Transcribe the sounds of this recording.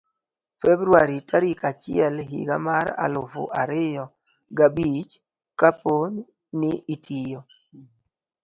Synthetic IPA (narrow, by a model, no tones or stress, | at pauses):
fɛbɾuaɾitaɾikat͡ʃɪɛlɦḭɡa̰maɾa̰lʊfʊ̰ʔaɾɪjɔ | ɡabit͡ʃ | kapon | nɪitʰijo